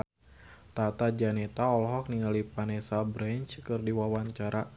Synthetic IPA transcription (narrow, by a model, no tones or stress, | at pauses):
t̪at̪ad͡ʒanɛt̪aɔlɦɔk̚niŋalipanɛsabɾɛnt͡ʃkɨrdiwawaɲt͡ʃaɾa